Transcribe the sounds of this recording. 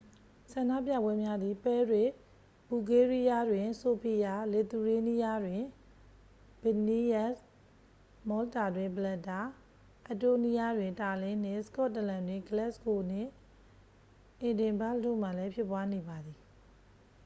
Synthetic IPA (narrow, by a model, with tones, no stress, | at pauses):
sã˨nda̰˦˨pja̰˦˨bwɛ˦mja˦d̪i˨pɛ˦ɹɪ˦ʔ | b̥u˨ɡe˦ɹi˦ja˦dwɪ̃˨so˨pʰi˨ja˨le˨t̪u˨ɹe˦ni˦ja˦dwɪ̃˨ | b̥ɛ˨ni˦jɛ˦s | mɔ˦lta˨dwɪ̃˨mbəlɛ˦˨tːa˨ | ʔa˨to˦ni˦ja˦dwɪ̃˨ta˨lɪ̃˦n̥ɪ̰̃˦˨sə̥kɔ˦ʔtːə˨lã˨ndwɪ̃˨ɡəlɛ˦ʔsko˨n̥ɪ̰̃˦˨ | ʔɪ̃˨dɪ̃˨mba˦ldo˦˨m̥a˨lɛ˦pʰjɪ˦pːwa˦ne˨ba˨d̪i˨